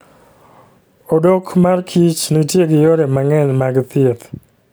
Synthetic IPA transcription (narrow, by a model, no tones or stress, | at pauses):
odokmarkʰit͡ʃnitjeɡɪjoɾemaŋɛnmaɡt̪ɪet̪